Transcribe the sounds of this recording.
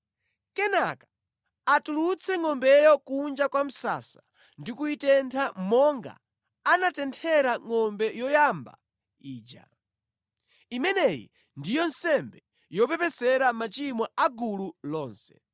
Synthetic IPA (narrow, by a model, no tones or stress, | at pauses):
kɛnakḁ | atulut͡sʰɛŋɔmbɛjɔkund͡ʒakwam̩sa̰sa | ndikuitɛntʰamɔŋɡa̰ | anatɛntʰɛɾaŋɔmbɛjɔjamba̰ | iːd͡ʒa̰ | imɛnɛjḭ | ndijɔnsɛmbɛ | jɔpɛpɛsɛɾamat͡ʃimɔaɡululɔːnsɛ̥